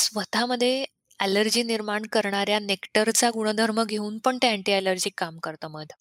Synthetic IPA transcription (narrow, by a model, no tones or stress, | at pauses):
sʋət̪ʰaməd̪ʱːje | æləɾd͡ʑiːniɾmaɳkəɾɳaɾjanekʈəɾt͡saɡuɽ̃əd̪ʱəɾməɡʱeuːnpəɳt̪eæɳʈiːæləɾd͡ʑiːkːamkəɾt̪əməd̪ʱ